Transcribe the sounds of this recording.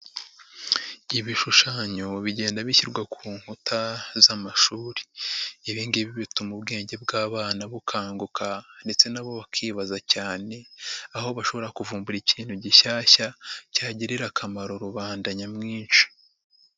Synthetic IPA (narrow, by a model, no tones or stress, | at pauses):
iβiʃuʃaːɲo̞βiɟe̞ːndaβiçiɾɡwakʰuːŋhutʰazamaʃuːɾi̥ːβiːŋɡiβiβitumubɡe̞ːɲɟe̞b̚ɡaːβaːnaβukʰaːŋɡukʰande̞t͡se̞naβo̞βakʰiːβazacaːne̞aho̞βaʃo̞βo̞ɾakuvuːmbuɾiciːnhuɟiʃaːçacaːɟiɾiɾakʰamaɾo̞ɾuβaːndaɲamŋiːnʃi̥